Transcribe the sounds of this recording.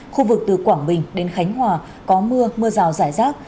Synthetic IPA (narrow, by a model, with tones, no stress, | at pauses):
xu˧vɨ˨˩k̚t̪ɨ˨˩kwaː˧˩nɓï˨˩ŋ̟ɗe˨˦nxa˨˦jŋ̟ɦwaː˨˩ | kɔ˨˦mɨ˧əmɨ˧əzaː˨˩wzaː˧˩jzaː˦˥t̚